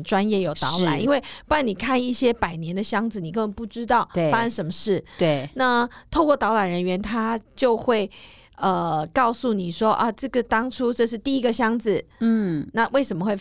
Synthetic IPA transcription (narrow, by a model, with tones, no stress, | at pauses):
ʈ͡ʂwa˦njɛ˥˩jo˨˩ʊt̪ɑ˧˥ʊla̰˨˦ni˥nwe˥˩ɪpu˥˩a˥ni˨˩kʰa˥˧ni˥˩ɕjɛ˥pa˨˩ɪnjɛ˧˥nd̪ə˨ɕjɑ˥ŋd͡zɹ̩˨˩ni˨˩k̬ə˥nwə˧˦npu˥˩ʈ͡ʂɻ̩˥t̪ɑ˥˩ʊ˥˩fa˥ʂə˥nʂə˧˥mə˧ʂɻ̩˥˩t̪we˥˩na˥˩t̪ʰo˥˧ʊkwɔ˥˩t̪ɑ˧˥ʊla˨˩nɻə˧˦˥nɥɛ˧˥nt̪ʰa˥t͡ɕjo˥˧ʊxwe˥˩ɪ | ə˩kɑ˥˧ʊsu˥˩ni˨˩ʂwɔ˥ʔɐ˥˧ʈ͡ʂɤ˥˩ɡə˨˩t̪ɑ˥ŋʈ͡ʂʰu˥ʈ͡ʂɤ˥˧ʂ̬ɻ̩˥˧t̪i˥˩i˦˥ɡə˨ɕjɑ˥ŋd͡zɹ̩˨˩˥na˥˧we˥˩ɪʂə˧˥nmə˧xwe˥˩